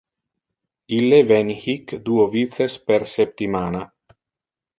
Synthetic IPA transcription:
ilːevɛnhikd̪uovit̪sespeɾsep̚t̪imaːna

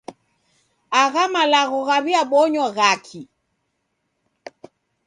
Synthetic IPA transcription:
aɣamalaɣɔɣaβiaɓɔɲɔɣakʰi

